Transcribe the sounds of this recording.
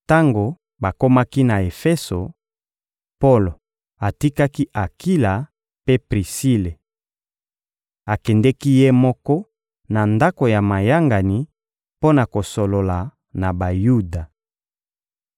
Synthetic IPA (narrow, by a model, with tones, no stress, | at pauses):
ta˦ŋɡo˨ | ba˨ko˦ma˦ki˦na˨e˨fe˦so˨ | po˦lo˨ | a˨ti˦ka˦ki˦ʔa˨ki˦la˨ | pe˦pʁi˨si˦le˨ | a˨kɛ˨ndɛ˦ki˦je˦mɔ˦kɔ˦ | na˨nda˦ko˨ja˨ma˨ja˦ŋɡa˨ni˨ | po˦na˨ko˨so˨lo˨la˨ | na˨ba˨ju˦da˨